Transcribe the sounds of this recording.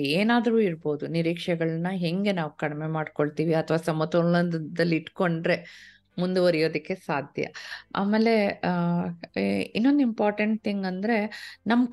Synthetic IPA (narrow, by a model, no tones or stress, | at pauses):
eːnaːd̪ɐɾuːiɾbo̞ːd̪uniɾiːkʂɛɡɐɭɐnːɐɦeŋɡe̞naːʋukɐɽme̞maːɖko̞ɭt̪iːʋiɐt̪ʰɐʋaːsɐmɐt̪oɐd̪ɐlːiiʈko̞ɳɖɾe̞ | mund̪uʋɐɾijo̞ːd̪ɐkːe̞saːd̪ʱjɐ̰a̰ːmeːle̞ | inːo̞nd̪uimpaːɾʈɐɳʈ̚t̪ʰiŋɡɐnd̪ɐɾe̞nɐmːɐ